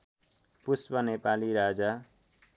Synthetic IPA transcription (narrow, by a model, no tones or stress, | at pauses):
puspʌnepaliɾad͡za